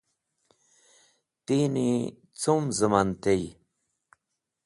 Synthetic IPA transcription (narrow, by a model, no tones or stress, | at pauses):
t̪ini | t͡sumzəmant̪ej